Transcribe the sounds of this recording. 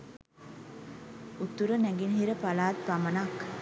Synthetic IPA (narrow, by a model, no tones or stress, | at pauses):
ut̪uɾənæɡinɦiɾəpalaːt̪̚pamɐnak